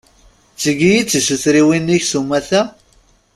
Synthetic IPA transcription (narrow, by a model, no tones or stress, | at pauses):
t͡sːəɡijit͡sːəsuθɾiwinːiçsumːæθæ